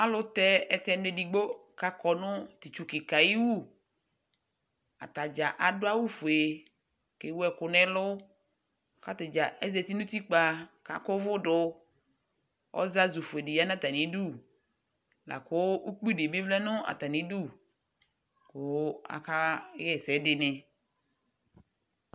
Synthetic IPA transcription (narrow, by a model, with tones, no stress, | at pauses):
a˦lʊ˦t̪ɛ˦ɛ˨t̪ɛ˨ne˨di˨ɡ͡bo˦ka˦kɔ˨nʊ˦t̪i˨t͡ʃu˨kɪ˨ka˨ji˦wu˦ | a̰˨t̪a˨d͡ʒa˨ʔa˨dʊ˦a˦wu˦fʊ˨e˨ | ke˨wu˦ɛ˨kʊ˨nɛ̃˦lʊ˦ | ka˦t̪ɪ˨d͡ʒa˨ʔɛ˦zɛ˨t̪i˦nʊ̃˦t̪i˦k͡pa˨ka˨kʊ˦vʊ˦ɖʊ˦ | ɔ̰˦za˦zu˨fʊ˨e˨di˨ja˦nã˦t̪a˨nĩ˨˦du˦˨ | la̰˨kʊ˦u˦k͡pi˦de˨be˦vlɛ˦nʊ̃˦a̰˨t̪a˨nĩ˨˦du˦˨ | kʊ˨˦a̰˨ka˦jɛ˦sɛ˨˦dɪ˦nɛ˨